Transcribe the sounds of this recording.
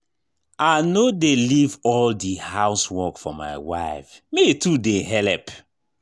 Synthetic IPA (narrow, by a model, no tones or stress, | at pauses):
anodelivɔldihaʊswɔkfɔ̰ma̰ɪwa̰ɪfmetudeɦɛlɛp